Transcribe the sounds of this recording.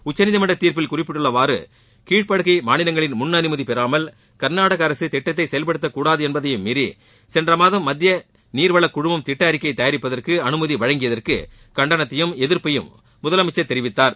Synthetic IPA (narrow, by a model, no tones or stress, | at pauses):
ʊt͡ʃːɐnɪðɐmɐɳɖɐt̪ːiːɾpɪlkʊrɪpːɪʈːɯɭːɐʋaːɾɯ̰ | kiːʈ̚pɐɽɯɣɐɪmaːnɪlɐŋɡɐɭɪnmʊnːɐnɯmɐðipɛɾaːmɐl | kɐɾnaːɽɐɣɐɐɾɐsɯt̪ɛʈːɐt̪̬ːɐɪsɛjɐlpɐɽɯt̪ːɐkːuːɽaːðɯɛnbɐðɐjɯmːɪɾi | sɛndrɐmaːðɐmːɐd̪ːɪjɐ | niːɾʋɐɭɐkʊɽʊmɐmt̪ɪʈːɐːɾɪkːɐɪt̪ːɐjɐɾɪpːɐðɐrkɯɐnɯmɐðiʋɐɻɐŋɡɪjɐðɐrkɯ | kɐɳɖɐnɐt̪ːɐjɯmɛðɪɾpɐjɯmː | ʊðɐlɐmɪt͡ʃːɐt̪ːɛɾɪʋɪt̪ːaːɾ